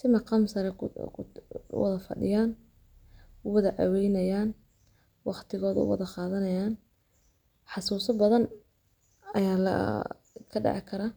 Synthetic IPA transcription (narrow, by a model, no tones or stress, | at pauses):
sɪmɑqɑmsɐɾɛ | wɑðɐfɐ̰ɖɪ̰jaːn | ʊwɐðɐʕɑ̰wɛjnɐjaːn | wɑqt̪ʰɪɣɔːðɐʊ̰wɑ̰ðɐqɑːðɐnɐjaːn | ħɑsuːsɐbɐðɐn | ɐjaːlɐ̰ | kʰɐɖɑ̰ʕɪkʰɐɾaː